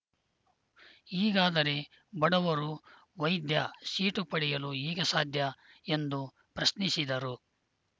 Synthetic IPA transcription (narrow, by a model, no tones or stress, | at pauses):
iːɡaːd̪ɐɾe̞ | bɐɽɐʋɐɾu | ʋɐjd̪jɐʃiːʈupɐɽijɐluiːɡɐsaːd̪ʱjɐ | e̞nd̪u | pɾɐsnisid̪ɐɾu